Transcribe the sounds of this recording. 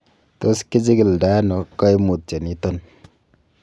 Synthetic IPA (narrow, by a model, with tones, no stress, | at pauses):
t̪o˦ski˦d͡ʒi˦ɡi˨lda˦nɔ˨kɔ˦jmu˨t̚t͡ʃe˨ni˦t̪ɔ˦n